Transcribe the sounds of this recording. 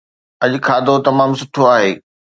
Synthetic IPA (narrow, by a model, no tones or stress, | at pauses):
ɐʄkʰaːd̪ot̪ɐmaːmsʊʈʰoaːɦeː